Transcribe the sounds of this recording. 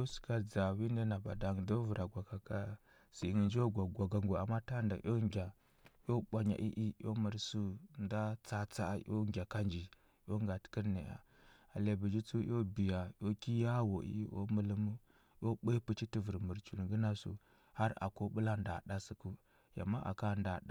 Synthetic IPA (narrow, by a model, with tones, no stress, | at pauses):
jo˦su̥˨ka˦d͡za˨wi˦nda˦na˨ba̰˨da˨ŋ˨do˦vu˨ɾʔa˨ɡʷa˨ka˨ka˦ | si˨ŋi˨nd͡ʒo˦ɡʷa˨ɡʷa˨ɡa˨ŋɡo˨a̰˨mːa˦ta˦nda̰˨ʔo˦ŋɡʲa˨ | jo˦ɓʷa˨ɲa̰˨ʔḭ˦ʔi˦jo̰˦mə˨ɾsu˦nda˦t͡sa˦t͡sa˦jo̰˦ŋɡʲa˨ka˦nd͡ʒi˨ | jo˦ŋɡa˨tkə˦ɾnḛ˨ja̰˨ | a˨le˨bi˨d͡ʒi˦t͡su˦jo˦bi˨ja˨jo˦ki˦ja˦wo˨ḭ˦ʔo̰˦mə˦lə˦mu˦ | jo˦ɓe˦pu˦t͡ʃi˦ti˦və˨ɾmu˨ɾt͡ʃu˨n˨ɡə˦na˦sṵ˨ | ha˦ɾa̰˨ko˦bu˦la˦nda̰˨ɗa˦si˦ku˦ | ja̰˨mːa˦ʔa̰˨ka˦˨nda˨ɗa˦